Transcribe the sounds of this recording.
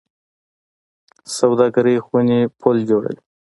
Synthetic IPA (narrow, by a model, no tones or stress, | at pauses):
sawd̪ɑɡaɾəjxwunipʰold͡ʒoɽə̰wi